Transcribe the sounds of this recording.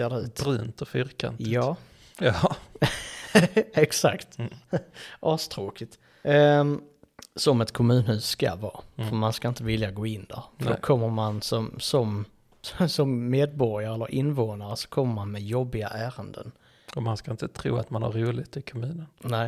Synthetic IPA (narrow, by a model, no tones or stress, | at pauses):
eːdɛʉ̟ːt̪ɾʉːnt̪ɔfʏɾka̰njɑː | ɑ | ɛksa̰kt̪ | ʔɑːst̪ʰɾoːkɪt̪ | sɔmɛt̪kʰɔmʉ̟ːnɦʉ̟ːsːka̰vɑːffœɾmanskaɪnt̪əvɪljaɡoːɪnːd̪æ̰ɾfdɔkʰɔmːəɾmansɔmsɔm | sɔmːeːd̪̚bɔɾɪjaɾəɛlːə̰ɾʔɪnːvoːnaɾəsɔ̥kʰɔmːəɾmanmɛjɔbːɪɡa̰ʔæːɾənd̪ə̰n | ɔmanskaɪnt̪ət̪ʰɾṵːa̰t̪manha̰ɾuːlɪɡt̪ɪkʰɔmʉ̟ːnənnɛɪ